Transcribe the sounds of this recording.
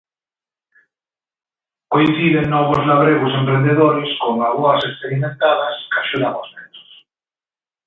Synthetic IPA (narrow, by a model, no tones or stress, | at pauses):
koin̟θiðeŋːɔβʊzlaβɾeɣʊsempɾend̪eðoɾɪskoŋaɣuɐsekspeɾimẽnt̪aðɐskaʃuðaβozmɛo̥s